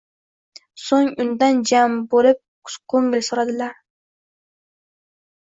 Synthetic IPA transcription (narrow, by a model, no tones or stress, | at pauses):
soŋʊnd̪and͡ʒambolɪp̚ | kʰoŋɡɾesoɾad̪ɪlaɾ